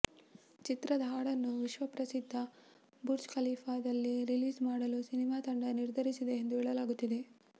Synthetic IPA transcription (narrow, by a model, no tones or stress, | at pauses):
t͡ʃit̪ɾɐd̪ɦaːɽɐnːuʋiʃʋɐpɾɐsid̪ʱːɐ | buɾd͡ʒkɐliːpʰaːd̪ɐlːiɾiliːzmaːɽɐlusinimaːt̪ɐɳɖɐniɾd̪ʱɐɾisid̪e̞ːnd̪uɛːɭɐlaːɡut̪ːid̪e̞